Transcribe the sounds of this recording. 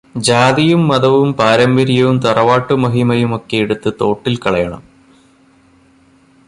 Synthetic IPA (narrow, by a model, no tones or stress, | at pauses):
d͡ʑaːðijumːɐðɐʋumpaːɾɐmbɐɾijɐʋumt̪ɐrɐʋaːʈːumɐɦimɐjumo̞kːe̞jeɽut̪ːɨt̪o̞ːʈːilkɐɭɐjɐɳɐ̰m